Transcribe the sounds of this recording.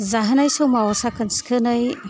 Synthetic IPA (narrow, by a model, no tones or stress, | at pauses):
zaɦɐnajsɯwmawasakʰɐnskʰɯnɯj